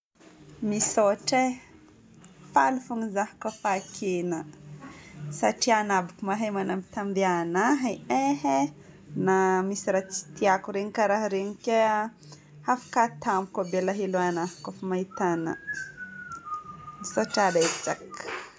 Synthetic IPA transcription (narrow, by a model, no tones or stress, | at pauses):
misoʈ͡ʂe | falufuŋizahḁkəfakʰenə | saʈ͡ʂianabikumaɦemanami̥t̪ambianaɦieɦe | namisiɾat͡si̥t̪iakuɾeɲikaɾaɦaɾeɲike | hafḁkat̪amukobelaɦeluanahḁkofamait̪anə̰ | misoʈ͡ʂaɾevt͡sa̰k